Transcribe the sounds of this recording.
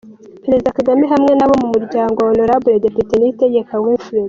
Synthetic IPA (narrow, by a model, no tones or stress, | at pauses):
peɾezidakaɡamiɦamŋe̞naβo̞mumuɾɟaːŋɡoonoɾabuɾedepiteniteɟe̞kawiːnfuɾez